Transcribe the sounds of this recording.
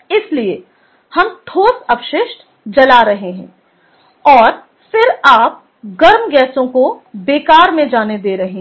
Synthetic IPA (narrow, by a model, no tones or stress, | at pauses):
ɪslie | hɐmt̪ʰoːsɐpʃɪʃʈ | d͡ʒɐlaɾɐɦeɦɛ̰̃ː | ɔːɾ | fɪɾaːp̚ | ɡɐɾmɡɛːsõkobeːkaːɾmẽd͡ʒaːned̪eːɾɐɦeɦ